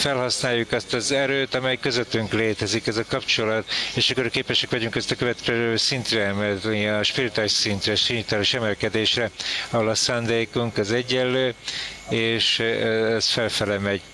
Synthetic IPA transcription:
fɛlɦɒsnaːjːukɛst̪ɒzɛɾøːt̪ɒmɛjkø̞zøt̪yŋkleːt̪ɛzikɛzɒkɒpt͡ʃo̞lɒt̪eːʃɒkːorɾkeːpɛʃɛkʋɒɟuŋkɛst̪ɒkøvɛt̪kɛløːsint̪rɛɛmɛt̪ɛnʃpiɾit̪aːiʃsint̪rɛʃirit̪aːliʃɛmɛlkɛd̪eːʃrɛɒɦolɒsaːnd̪eːkuŋkɒzɛɟːɛlːøːeːʃɛsfɛlfɛlɛmɛɟ

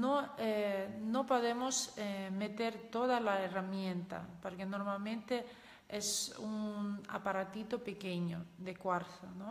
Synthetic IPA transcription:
noenopoðemosemet̪eɾt̪oðalaeramjẽnt̪a̰poɾkenoɾmalmẽnt̪e | esuŋa̰paɾat̪it̪opekeɲoðekwaɾθono

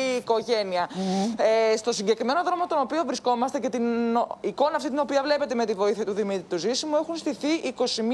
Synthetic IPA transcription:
ko̞ʝe̞niɐest̪o̞siɲɟe̞kɾime̞no̞ðɾo̞mo̞t̪o̞no̞pio̞vɾisko̞mɐst̪ece̞t̪iniko̞nɐft̪it̪ino̞piɐvle̞pe̞t̪e̞me̞t̪ivo̞iθiɐt̪uðimit̪ɾit̪uzisimue̞xunst̪iθiʔiko̞sim

